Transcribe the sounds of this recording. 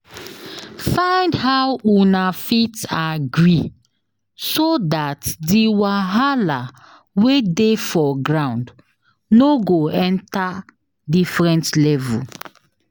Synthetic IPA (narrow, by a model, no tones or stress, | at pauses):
fãɪ̃ndhawunafitaɡɹi | sodatdiwaɦala | wedefɔɡɹãʊ̃nd | noɡoɛ̃nta | difɹɛ̃ntlɛvṵl